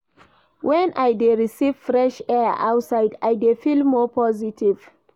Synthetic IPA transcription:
wʔɛ̃nʔajdeɹisiv̥fɹɛʃɛʔa̰wtsaɪdajdefilmɔpʰɔzitʰiv̥

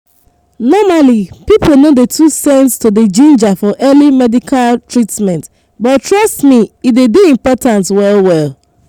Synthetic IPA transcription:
nɔmalipipl̩nodetʰusɛ̃nstoded͡ʒĩnd͡ʒafɔʔɛlimɛdikʰaltɹitmɛ̃nt | bɔtɹʌstmiidediĩmpɔtãntwɛlwɛl

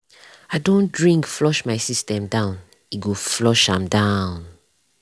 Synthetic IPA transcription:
aɪdõndɹĩŋkflɔʃmaɪsistɛ̃mdãʊ̃n | iɡoflɔʃãmdãn

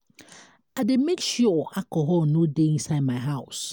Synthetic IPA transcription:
ademekʃuakɔɦɔlnodeĩnsaɪd̚maɦaʊs

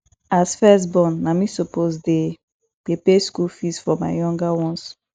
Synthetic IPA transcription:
asfɛsbɔ̃nːamisopozde | ɡ̥epeskulfisfɔma̰ɪjɔ̃ŋɡawɔ̃ns

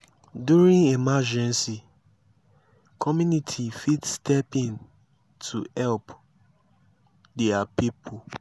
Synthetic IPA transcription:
duɹĩnɛmad͡ʒɛ̃nsi | kʰɔmjũnitʰifitstʰɛpĩn | tʰuhɛlp | dɛapipʰo

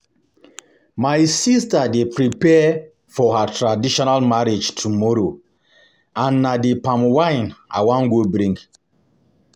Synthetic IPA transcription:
maɪsistadepɹipɛ | fɔhatʰɹadiʃɔnalmaɹed͡ʒtʰumɔɾo | ãnːadepãmwãɪna̰wãŋɡobɾĩŋɡ

